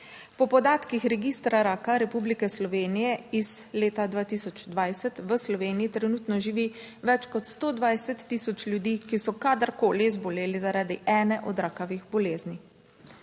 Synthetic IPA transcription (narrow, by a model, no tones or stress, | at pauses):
pɔpɔd̪aːt̪kixɾɛɡiːst̪ɾaɾaːkaɾɛpublikɛslɔʋeːnijɛiz̥leːt̪ad̪ʋaːt̪isɔt͡ʃd̪ʋajsɛt̪ʋəslɔʋeːnijit̪ɾɛnuːt̪nɔʒiʋi | ʋɛt͡ʃkɔt̪st̪oːd̪ʋajsɛt̪ːisɔt͡ʃljud̪iːkisɔkad̪əɾkoːlizbɔleːlizaɾaːd̪iʔɛːnɛʔɔd̪ɾaːkaʋiɣbɔleːzni